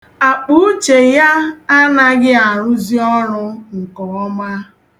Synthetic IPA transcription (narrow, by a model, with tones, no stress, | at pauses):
a˨k͡pu˦t͡ʃe˨ja˦a˦na˦ɡɪ˦a˨ɾʊ˦zi˦ɔ˦ɾʊ˦ŋ̩˨kɔ˨ɔ˦ma˦